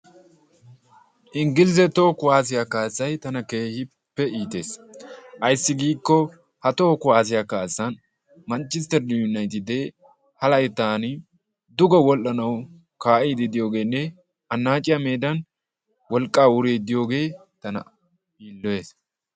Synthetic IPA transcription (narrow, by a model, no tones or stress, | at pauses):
ʔɪŋɡɪlɪzɛt̪oːkʊwaːs̬ɪjakaːsːɐjt̪ɐnɐkeːhɪ | pːɛiːt̪e̞ːsʔɐjsːɪɡiːkːɔ | hɐt̪oːkʊwaːs̬ɪjakaːsːɐn | mɐnt͡ʃːɪst̪ɛɾd̪ʊʊnːɐjt̪ɪd̪e | hɐlɐjɛt̪aːnɪ | d̪ʊɡɔwɔlʔːɐnɐw | kaːʔiːd̪ɪd̪ɪjo̞ːɡe̞ːnːɛ | ɐnːaːt͡ʃʼɪjɐme̞ːd̪ɐn | wɔlkʼːaːwʊɾeːd̪ɪjo̞ːɡe̞ː | t̪ɐnɐ̰ | iːlːɔe̞ːs